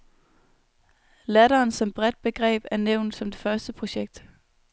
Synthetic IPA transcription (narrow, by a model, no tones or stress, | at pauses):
læɾɐːnsɒ̽mb̥ʁɛd̥̚b̥e̝ɡ̥ʁɛ̰ːb̥æɐneʊ̰nd̥sɒ̽md̥e̝fɶɐsd̥əpʰʁo̝ɕeɡ̥̚d̥